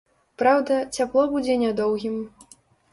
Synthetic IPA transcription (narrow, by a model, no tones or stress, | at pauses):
pɾawd̪ɐt͡sʲaplˠɔbud͡zʲɛnʲad̪ɔwɣʲim